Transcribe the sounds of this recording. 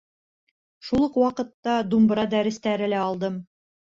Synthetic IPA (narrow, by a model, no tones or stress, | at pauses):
ʃulˠɤqwɑqɤ̆t̪ːɑd̪umbɾɑd̪æɾɘ̆st̪æɾɘ̆læɑlˠd̪ɤm